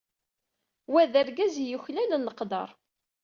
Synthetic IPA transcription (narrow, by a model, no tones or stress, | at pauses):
wæðæɾɡæzjuçlælənːəqd̪ɑ̰ɾˤ